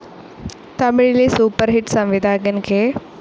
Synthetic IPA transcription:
t̪amɪɭilisuːpəɾɦɪʈsãʋɪd̪ʱaːkənkʰeː

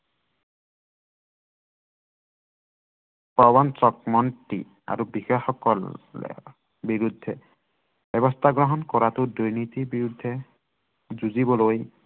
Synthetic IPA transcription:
pawɔnt͡ʃɔk̚mɔntḭ | a̰ɹubixexɔkɔl̰ | biɹud̪ʱːɛ | b̥ɛβɔst̪ʰaɡɹɔɦɔnkɔɹatʊdujnit̪ibiɹud̪ʱːɛ | zuzibɔloj

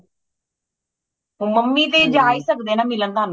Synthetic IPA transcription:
ɦũːməmːit̪̬eːd͡ʒaːisəkd̪eːnaːmɪlə̃nd̪aːn

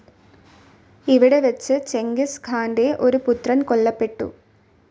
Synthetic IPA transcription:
iʋiɽe̞ʋet͡ɕːɨt͡ɕe̞ŋɡisɡʰʱaːnde̞ʔo̞ɾuput̪rɐnko̞ɭːɐpːe̞ʈːṵ

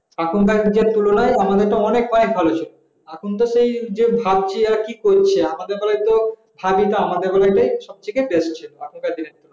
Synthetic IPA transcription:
akʰunkad͡ʑeɾt̪ulonaeamad̪eɾʈaɔnek̚ɔnek̚bʱalot͡ɕʰilo | akʰunt̪oʃejd͡ʑebʱab̚t͡ɕʰiaɾkikoɾt͡ɕʰeamad̪eɾbalajt̪o | bʱabit̪oamad̪eɾbalajʈajʃɔb̚t͡ɕʰekebeʃt͡ɕʰiloakʰunkad̪ineɾt̪ulona

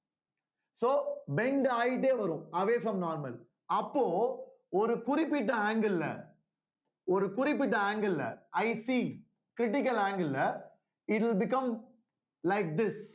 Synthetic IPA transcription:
soːbɛɳɖaːjɪʈːeːʋɐɾʊ̃mɐʋeːfɾɐ̃mnaːɾmɐl | ɐpːoː | ɔɾɯkʊɾɪpːɪʈːɐaːŋɡɐlɪlɐ̰ | ɔɾɯkʊɾɪp̬ːɪʈːɐaːŋɡɐlɪlɐ̰ʔɐɪsi | kɾɪʈɪk̬ːɐlaːŋɡɐlɪlːɐ | ɪʈɪlbɪkɐ̃m | lɐɪk̚d̪ɪs

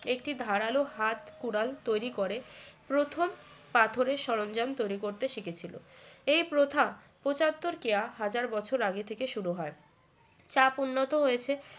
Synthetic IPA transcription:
ek̚ʈid̪ʱaɾaloɦat̪kuɽalt̪ojɾikoɾepɾot̪ʰom | pat̪ʰoɾeʃɔɾond͡ʑamt̪ojɾikoɾt̪eʃiket͡ɕʰilo̰ejpɾot̪ʰa | pot͡ɕat̪ːoɾkeaɦad͡ʑaɾbɔt͡ɕʰoɾaɡet̪ʰekeʃuɾuɦɔe | t͡ɕapunːot̪oɦojet͡ɕʰe

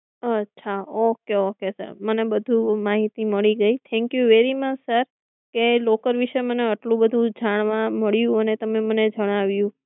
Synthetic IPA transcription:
ətːʃʰaokeokesə̰ɾmənebəd̪ʱumaɦit̪iməɭiɡəit̪ʰɛ̃ŋkjuʋeɾimət͡ʃsəɾ | kelokəɾʋiʃeməneəʈlũbəd̪ʱũd͡ʒaɽ̃ʋãməɭjũənet̪əmeməned͡ʒəɽ̃aʋjũ

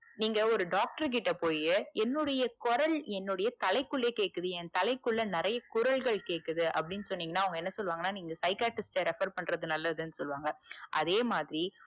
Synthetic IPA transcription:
niːŋɡɐɔɾɯɖaːk̚ʈɐɾk̬ɪʈːɐpoːjɛnːʊɽɐjɐkɔɾɐlɛnːʊɽɐjɐt̪ɐlɐɪkːʊɭːeːkeːʈkːɯðɯɛnt̪ɐlɐɪkːʊɭːɐnɪɾɐjɐkʊɾɐɭɣɐɭkeːʈkːɯðɯʔɐ̰pːɐɽɪnːɯsɔnːiːŋɡɐnːaːɐʋɐŋɡɐɛnːɐsɔlːʋaːŋɡɐnaːniːŋɡɐsɐɪkaːʈːɪsʈɐɾɪfɐɾpɐɳːɾɐðɯnɐlːɐðɯɐnːɯsɔlːʋaːŋɡɐʔɐ̰ðeːmaːðɪɾi

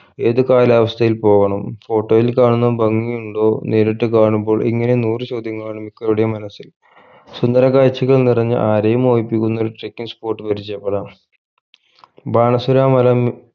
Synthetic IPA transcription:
e̞ːðɨkaːlaːʋɐst̪ʰɐjilpo̞ːɣɐɳɐmfo̞ːʈːo̞ːjilkaːɳunːɐbɐŋːijuɳɖoːneːɾeʈːɨkaːɳumbo̞ːɭʔḭŋːɐne̞nuːrɨt͡ɕo̞ːd̪ʱjɐŋːɐɭaːɳumikːɐɭuɽejmɐnɐsːil | sund̪ɐɾɐkaːjt͡ɕːiɣɐɭnirɐɲːɨ̰ʔaːɾɐjɐmo̞ːʋipːikʲːunːoːɾuʈrekːiŋspo̞ːrʈːɨpɐɾit͡ɕːɐjɐpːeɽaːm | baːɳɐsuɾaːmɐlɐm

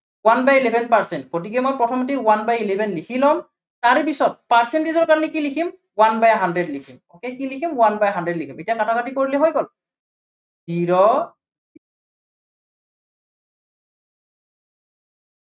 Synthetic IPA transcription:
wanbajilɛbʱɛnpaɹsɛnt̚pot̬ik̬ɛmɔjpɹɔtʰɔmɔt̬iwanbajilebʱɛnlikʰilɔm | taɹipisɔt̚paɹsɛntizɔɹkaɹnikilikʰim | wanbajɦandɹɛdlikʰimɔkɛkilikʰimwanbajɦandɹɛdlikʰimetijakatʰakatikoɹilɛɦojɡɔl | diɹɔ

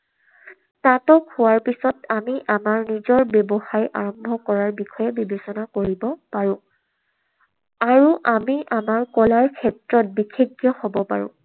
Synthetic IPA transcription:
natɔkhʊwaɹpisɔtamiʔamaɹnizɔɹbjɛbɔxajʔa̰ɹɔmbʱɔkɔɹaɹbikʰɔjɛbibesɔnakoɹibɔpaɹʊ̃ | aɹuʔamiʔamaɹkɔlaɹkʰɛtɹɔt̚bikʰeɡjɔhobɔpaɹʊ̰̃

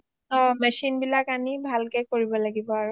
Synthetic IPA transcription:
ɔmɛsinbilakanibʱalkɛkoɹibɔlaɡibɔaɹu

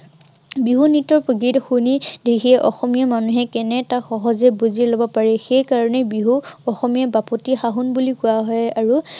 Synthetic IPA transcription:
biɦunitɔɹpɹoɡitxunidekʰiɛʔɔxɔmijamanuɦɛkɛnɛtaxɔɦɔzɛbuzilɔbɔpaɹɛxejkaɹɔnɛbiɦuɔxɔmijabapɔtixaɦunbulikʊaɦɔjaɹu

